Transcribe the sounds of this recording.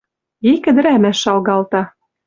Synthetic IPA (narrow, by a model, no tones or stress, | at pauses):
ikɘ̆d̪ɘ̆ɾæmæʃːɑlɣɑlt̪ɑ